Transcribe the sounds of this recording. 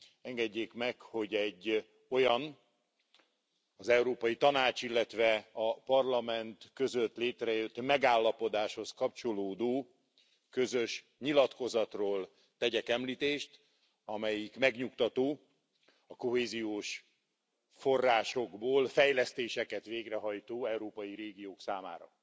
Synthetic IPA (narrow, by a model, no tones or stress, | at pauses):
ɛŋɡɛɟːeːkmɛkho̞ɟɛɟː | o̞jɒn | ɒzɛwɾoːpɒjit̪ɒnaːt͡ʃilːɛt̪ʋɛɒpɒrlɒmɛnt̪kø̞zøt̪leːt̪rɛjøt̪mɛɡaːlːɒpo̞d̪aːʃho̞skɒp̚t͡ʃo̞loːd̪oː | kø̞zøʃ | ɲilɒt̪ko̞zɒt̪roːl | t̪ɛɟɛkɛmliːt̪eːʃt̪ | ɒmɛjikmɛɡɲukt̪ɒt̪oː | ɒko̞ɦeːzijoːʃ | fo̞rːaːʃo̞ɡboːlfɛjlɛst̪eːʃɛkɛt̪ʋeːɡrɛɦɒjt̪oːɛwɾoːpɒjiɾeːɡijoːksaːma̰ːɾɒ̰